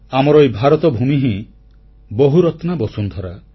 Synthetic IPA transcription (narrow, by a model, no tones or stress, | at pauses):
amɔɾɔebʱaɾɔt̪ɔbʱumiɦĩ | boɦuɾɔt̪nabɔsunt̪ʰɔɾa